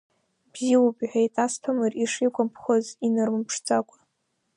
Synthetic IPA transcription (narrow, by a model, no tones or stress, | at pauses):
b̥ziwubʼħʷᶣejtʰʼastʰamɨriʂikʷʰʼampʰχʷozinɨrmɨmpʰʂt͡sʼakʷʼḁ